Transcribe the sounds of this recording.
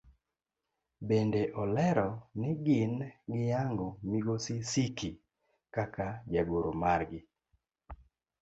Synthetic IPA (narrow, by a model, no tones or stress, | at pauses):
bendeʔɔlɛɾɔnɪɡɪnɡɪjaŋɡɔmiɡosɪsiki | kakad͡ʒaɡoɾomarɡɪ